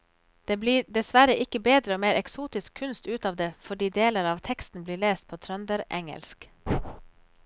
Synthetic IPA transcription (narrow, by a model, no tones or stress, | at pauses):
d̪̥eːbliːɖɛsʋæɾəʔɪkəbeːd̪ɾəoːmeːɾɛksuːt̪ɪskʰʉnst̪ʉːt̪ɑːʋd̪eːfɔɖiːd̪eːləɾɑːʋt̪ʰɛkst̪n̩bliːɭeːst̪̚pʰoːt̪ʰɾœnd̪əɾʔɛŋə̰lsk